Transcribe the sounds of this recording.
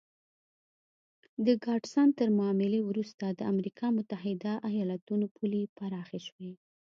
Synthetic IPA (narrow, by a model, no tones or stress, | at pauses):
d̪əɡɑɖsɑnt̪əɾmɑːmɪlewɾust̪ad̪əamɾikʰɑmʊt̪aɦɪd̪aʔajɑlat̪unopʰulipaɾɑxeʃwe